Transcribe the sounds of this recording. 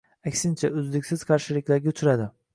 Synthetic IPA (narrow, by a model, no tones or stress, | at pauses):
ækʲsɪnt͡ʃʰaøzlɪkʲsɪz̥qʰɑɾʃɪlɪkʲlæɾɡʲʰøt͡ʃ̪ʰyɾad̪ɪ